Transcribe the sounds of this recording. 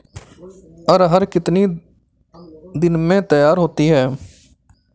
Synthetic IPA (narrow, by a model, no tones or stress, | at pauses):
əɾɦəɾkɪt̪niː | d̪ɪnmẽːt̪əjaːɾɦoːt̪iːɦɛː